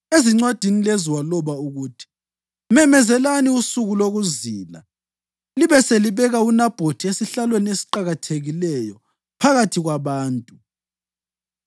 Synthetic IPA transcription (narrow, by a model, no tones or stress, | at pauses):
eziŋ͡ǀwad̥ʱinileziwalɔβauɣutʰi̥ | mɛmɛzɛlaniusuɣuloɣuziːla̰ | liβɛseliβɛɣaunab̥ʱotʰiesiɬalweniesi̥ǃaɣatʰeɣilɛjɔ | pʰaɣatʰiɣwaβaːntʼu